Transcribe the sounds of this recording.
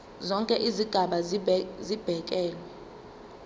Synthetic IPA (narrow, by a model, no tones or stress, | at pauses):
zɔŋkʼɛʔiziɡ̥ʱaɓazib̥ʱɛk̬ʼɛːlwɛ